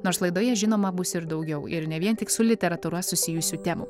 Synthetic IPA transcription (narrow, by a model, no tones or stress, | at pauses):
noːɾslˠɐɪd̪oːjɛʒʲɪnoːmɐbʊsɪɾd̪ɒʊɡʲɛʊɪ̰ɾnʲɛʋʲiɛnt̪ʲɪksʊlʲɪt̪ʲɛɾɐt̪uːɾɐsʊsʲɪjʊsʲuːt̪ʲɛmṵ